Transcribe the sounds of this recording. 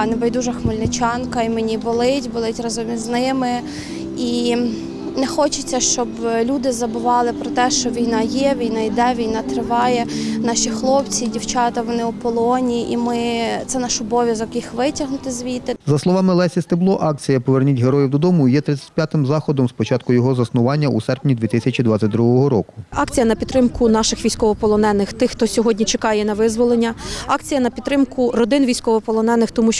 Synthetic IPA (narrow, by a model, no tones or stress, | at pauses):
nɛbɐjd̪uʒɐxmɪlʲnɪt͡ʃɑnkɐimenʲibɔlˠɪtʲbɔlˠɪtʲrɐzɔmʲiznɪmɪ | i | nɛxɔt͡ʃɪt͡sʲːɐʃt͡ʃɔblʲud̪ɪzɐbʊʋɑlˠɪpɾɔt̪ɛʃt͡ʃɔʋʲijnɑjɛʋʲijnɑid̪ɛʋʲijnɑt̪ɾɪʋɑjɛnɑʃixlˠɔpt͡sʲidʲiwt͡ʃɑt̪ɐʋɔnɪupɔlˠɔnʲiʔimɪt̪sɛnɑʃɔbɔʋʲjɐzɔkjixʋɪtʲɐɦnʊt̪ɪzʲʋʲit̪ɪzɐslˠɔʋɑmɪlˠɛsʲist̪ɪblˠɔʔɑk̚t͡sʲijɐpɔʋernʲitʲɦeɾɔjiwd̪ɔd̪ɔmʊjɛt̪ɾɪt͡sʲːɐ̥t̚ʲpʲjat̪ɪmzɑxɔd̪ɔmspɔt͡ʃɑt̪kʊjɔɦɔzɐsnʊʋɑnʲːɐʔusɛrpnʲid̪ʲʋʲit̪ɪsʲɐt͡ʃʲid̪ʋat͡sʲɐtʲd̪ɾuɦɔɦɔɾɔkʊ̥ɑkt͡sʲijɐnɐpʲit̪ːɾɪmkʊnɑʃɪxʋʲijsʲkɔʋɔpɔlˠɔnɛnːɪxt̪ɪxːt̪ɔsʲɔɦɔdʲnʲit͡ʃekɑjɛnɐʋɪzʋɔlˠenʲːɐɑkt͡sʲijɐnɐpʲit̪ːɾɪmkʊrɔd̪ɪnʋʲijsʲkɔʋɔpɔlˠɔnɛnːɪxt̪ɔmuʃ